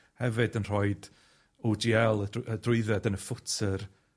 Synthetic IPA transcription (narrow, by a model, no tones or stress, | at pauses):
hɛvɨdənr̥ɔɨd̥ | od͡ʒiɛlˠəədrʊɨðɛdənəfʊtʰər